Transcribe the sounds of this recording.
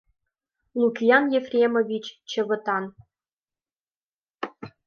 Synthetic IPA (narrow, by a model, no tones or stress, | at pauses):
lˠukʲijɑnjefrʲemovʲit͡ɕt͡ɕə̆βɤ̆t̪ɑn